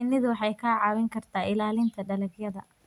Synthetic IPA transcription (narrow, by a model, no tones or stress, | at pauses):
ɪnːɪðʊwɑħɑjkʰaːʕɑβɪŋkʰɐrt̪ʰaːɪlaːlɪnt̪ʰɐɖɐlɐɡjɐðɐ̰